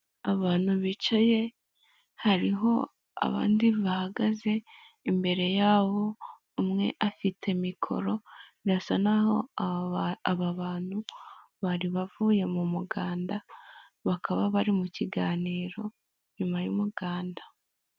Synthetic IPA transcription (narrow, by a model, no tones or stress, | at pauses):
aβaːn̥huβit͡ʃaje̞ | haɾiɦo̞̰ | a̰βa̰ːndiβahaɡaze̞ | imbe̞ɾe̞jaːβo̞ | umŋe̞̰ʔafitʰe̞mikʰo̞̰ɾo̞nasanaho̞̰ | aβaβaːn̥hu | βaɾiβavuːje̞mumuɡaːnda | βakʰaβaβaɾimuciɡaːniːɾo̞ | ɲumajṵmuɡ̥aːnda